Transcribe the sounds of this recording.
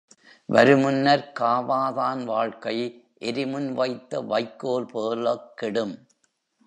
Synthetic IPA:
ʋɐɾɯmɯnːɐɾkaːʋaːðaːnʋaːɻkɐɪʔɛɾɪmʊnʋɐɪt̪ːɐʋɐɪkːoːlpoːlɐkːɪɽɯm

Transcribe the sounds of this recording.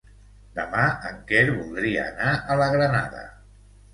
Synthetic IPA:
d̪əmaəŋkeɾβulˠd̪ɾiə̰ːnaʔələɣɾənaðə̰

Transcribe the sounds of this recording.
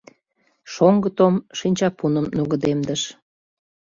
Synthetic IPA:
ʃoŋɡət̪omʃinʲt͡ɕɑpunə̆mnuɣəd̪emd̪əʃ

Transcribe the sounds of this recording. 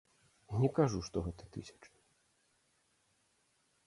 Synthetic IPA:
nʲɛkaʐuʂt̪ɔɣɛt̪ɐt̪ɨ̰sʲɐ̥t͡ʂɨ̥

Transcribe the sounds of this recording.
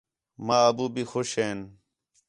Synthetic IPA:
maːɐbuːbiːxoʃeːn

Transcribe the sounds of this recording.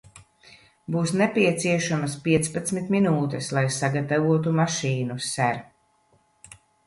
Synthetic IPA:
buːsnɛpiɛt̪siɛʃamɐspiɛt̪spat̪smit̪minuːt̪ɛslˠajsaɡat̪avuɔt̪umaʃiːnusæɾ

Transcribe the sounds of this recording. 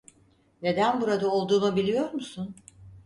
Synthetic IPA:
ne̞d̪ænbuɾad̪aolˠd̪uːnubilʲijo̞ɾmusun

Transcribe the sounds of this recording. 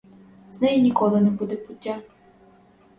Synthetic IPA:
z̥nɛjinʲikɔlˠɪnɛbud̪ɛbʊtʲːa

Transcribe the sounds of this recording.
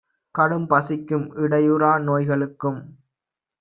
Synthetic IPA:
kɐɽɯmpɐsɪkːɯmʔɪɽɐjɯɾaːnoːjɣɐɭɯkːɯm

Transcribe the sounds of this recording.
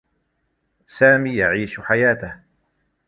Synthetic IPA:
saːmiːjaʕiːʃħajaːt̪ah

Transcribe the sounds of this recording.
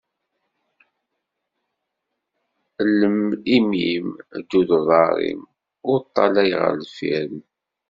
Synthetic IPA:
ləmimimd̪ːuðəðˤɑɾˤḭm | ʊɾt̪ˤːɑlæjʁə̰ɾlfiɾm

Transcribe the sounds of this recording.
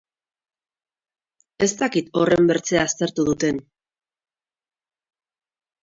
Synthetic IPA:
e̞st̪akit̪o̞re̞mbe̞ɾt͡se̞aːst̪e̞ɾt̪uð̞ut̪e̞n

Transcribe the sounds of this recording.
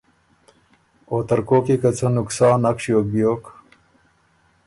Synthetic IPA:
oːt̪ɐɾkoːkikɐt͡sʰɐnuksaːnɐkʂijoːk̚bijoːk

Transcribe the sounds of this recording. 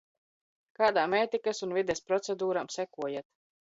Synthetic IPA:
kaːd̪aːmeːt̪ikasunvid̪ɛspɾɔt̪sɛd̪uːɾamsɛkuɔjat̪

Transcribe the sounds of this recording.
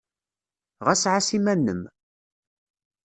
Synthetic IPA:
ʁæsʕasimænːəm

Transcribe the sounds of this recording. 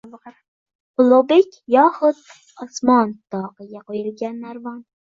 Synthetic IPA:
ʊlˠobekʲjɒhʊt̪ | ɒsmɒnt̪ʰɒqɨɡʲaqʰojɪlˠɡʲanːaɾvɒn

